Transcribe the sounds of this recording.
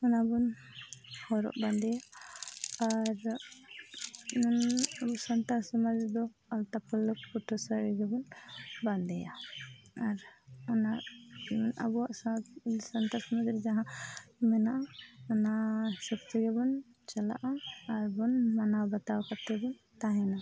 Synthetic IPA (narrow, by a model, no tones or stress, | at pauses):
ɔnabɔn | hɔɾɔ̰ʔband̪ɛjaː | ɾ | nabusant̪asəmad͡ʒɾɛd̪ɔ | alt̪apələk̚puʈʰɔsəɾiɡɛbɔnband̪ɛja | aɾɔnaʔnabuwaʔsasant̪aɾsɔmad͡ʒɾd͡ʒaɦãmɛnaʔaɔnasəkt̪iɡɛbɔn | t͡ʃala̰ʔaːɾbɔnmanabat̪awkat̪ɛbɔn | t̪aɦɛna